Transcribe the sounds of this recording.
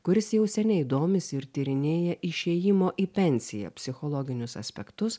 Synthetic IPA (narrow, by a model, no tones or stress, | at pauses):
kʊɾʲɪsjɛʊsʲɛnʲɛɪɪd̪oːmʲɪsɪɾt̪ʲiɾʲɪnʲeːjɛʔɪʃʲeːjɪmoːʔiːpʲɛnʲsʲɪjɛ̰pʲsʲɪxolˠɔːɡʲɪnʲʊsɐ̰sʲpʲɛ̰kt̪ʊs